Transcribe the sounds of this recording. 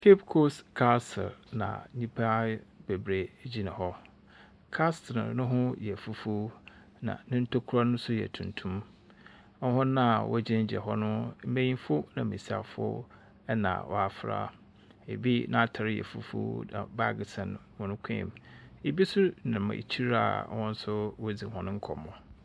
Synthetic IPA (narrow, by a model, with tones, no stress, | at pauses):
kʰe˦pkʰo˦skʰa˦sʰɪ̰˨ɾnã̰˨ɲĩ˦pʰa˦be˨bɾe˨d͡ʑi˦nã˨ɦɔ˦ | kʰa˦stʰɪ˨nʊ̃˦ɦʊ̃˦jɛ˨fu˦fu˦ | nã̰˨nɪ̃˦n̩˦tʰo˦kʰʊ˦ɾa˦nʊ̃˦sʊ˦jɛ̰˨tʰũ˨ntʰũ˦m | ɔ˦ɦʊ̃˦nã˦˨wʔɔ̰˦d͡ʑɪ̃˦n˦d͡ʑɛ̰˨ɦɔ˦nʊ̃˦m̩˦mẽ˦jĩ˦nfʊ˦nã˨mĩ˨si˦a̰˨fʊ̰˦ | ɛ˦nã̰˨wɔ̰˨a˨fɾa̰˦˨ | ḛ˨bi˦nã˨˦˨tʰa˨ɾɪ˦jɛ̰˨fṵ˦fṵ˦nã̰˨ba˦ɡɪ˨sɛ̃˨n˨mʊ̃˨nʊ̃˦kʰɛ̰̃˦˨me˨bi˦sʊ˦nɪ̃˨mã̰˨ḭ˨t͡ɕʰi˦ɾa̰˦˨˦wɔ̃˦n̩˦sʊ˦wo˦d͡zi˨ɦɔ̃˨nʊ̃˦ŋ̩˦kʰɔ˨mːɔ̃˨